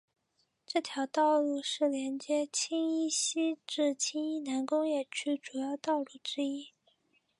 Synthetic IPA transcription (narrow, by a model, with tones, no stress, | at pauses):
ʈ͡ʂɤ˥˩t̪ʰjɑ˧˥ʊt̪ɑ˥˧ʊlu˥˧ʂɻ̩˥˩ljɛ˧˥nt͡ɕjɛ˥t͡ɕʰi˥ŋi˥ɕi˥ʈ͡ʂɻ̩˥˩t͡ɕʰi˥ŋi˥˩na˧˥nkʊ˥ŋjɛ˥˩t͡ɕʰy˥˩ʈ͡ʂu˨˩jɑ˥˧ʊt̪ɑ˥˧ʊlu˥˩ʈ͡ʂɻ̩˥i˥